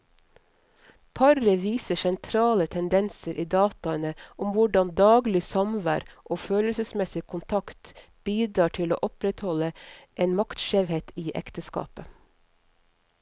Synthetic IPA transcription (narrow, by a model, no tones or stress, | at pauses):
pʰɑɾəʋiːsəsɛnt̪ʰɾɑːlət̪ʰɛnd̪ɛnsəɾʔiːd̪ɑːt̪ɑənəʔʊmʋʊɖɑnd̪ɑːɡlɪsɑmʋæ̰ːɾʔoːføːləlsəsmɛsɪkʰʊnt̪ʰɑkt̪ | b̥iːd̪ɾɑːʈʰɪlo̰ːʔɔpɾɛt̪hɔləʔeːnmɑkt̪ʃeːʋheːt̪iːʔɛ̰kt̪əskɑ̰ːpə